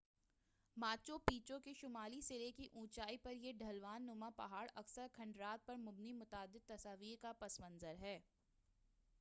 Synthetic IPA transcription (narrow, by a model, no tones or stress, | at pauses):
maːt͡ʃopiːt͡ʃõkeʃʊmaːlisɪlekiʔũːt͡ʃaːipɐɾjeɖʱɐlʋaːnːʊmapɐɦaːɽɐksəɾkʰɐ̃ɳɖɾaːt̪̚pɐɾmʊbnimʊt̪aːd̪ɪd̪̚t̪ːɐsaːʋiːɾkapɐsmɐ̃nzəɾɦɛː